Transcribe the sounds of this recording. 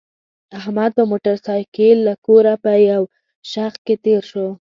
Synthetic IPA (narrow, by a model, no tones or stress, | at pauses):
ahmad̪̚pəmoʈaɾsɑjkelːakoɾapəjaw | ʃax̚ket̪eɾʃo